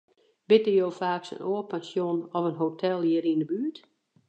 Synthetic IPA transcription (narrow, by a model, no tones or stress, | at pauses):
b̥ɪtəjoːfaːksə̰nʔoːəpɛnsjonɔvənɦotʰɛlˠjiəɾindəbyət